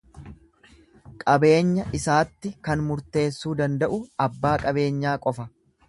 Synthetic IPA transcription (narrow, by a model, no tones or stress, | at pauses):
kʼɐbe̞ːɲːɐʔɪsaːt̪ːɪkɐnmʊɾt̪e̞ːsːuːd̪ɐnd̪ɐʔʊɐbːaːkʼɐbe̞ːɲːaːkʼɔfɐ